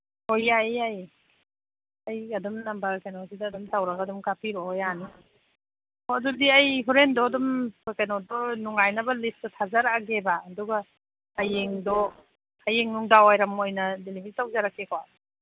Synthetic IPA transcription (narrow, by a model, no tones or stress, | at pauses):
hojajaj | ajadumnambakajnɔsidaːdumtawɾaɡadumkapʰiɾɔjani | ɔadudiajɦʰɔɾendɔːdumjkanɔdɔnuŋajnabɐlisdɔtʰazaɾaɡebaːdɔɡa | ajeŋdɔ | ajeŋnuŋdaawajɾamojnɐdelibʱiitawzaɾakːekʰawa